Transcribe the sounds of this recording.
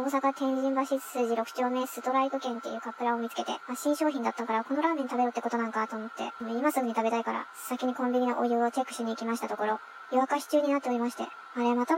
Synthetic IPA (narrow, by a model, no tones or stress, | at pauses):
oːs̬akat̪ẽ̞ɲ̃ʑĩmbaɕiɨ̥sɨːʑiɾo̞kɯ̟̥t͡ɕo̞ːme̞ːsɨt̪o̞ɾait̪okẽ̞nt̪ːe̞̰jɯ̟ːkapːɯ̟ɾao̞mʲit͡sɨ̥ke̞t̪e̞̰maɕĩɰ̃ɕoːçʲĩnd̪at̪ːakaɾako̞no̞ɾaːmeɲit̪abe̞ɾot̪ːeko̞t̪o̞nãŋkat̪o̞ːmo̞t̪ːe̞̰neimasɨɡɯ̟ɲ̟it̪abe̞t̪aikaɾa̰ | sakʲiɲ̟ikõmʲbʲiɲʲinaʔojɯ̟ːot̪e̞kɯ̟ɕɨɲ̟iːkʲimaɕi̥t̪at̪oko̞ɾo̞ | jiβakaçi̥t͡ɕɨːɲ̟inat̪ːe̞o̞ɾimaɕi̥t̪e̞̰ | aɾe̞mat̪a